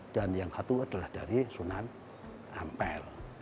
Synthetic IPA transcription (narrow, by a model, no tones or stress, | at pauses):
d̥anjaŋsat̪uad̥a̤lahd̥aɾisunan | ampɛl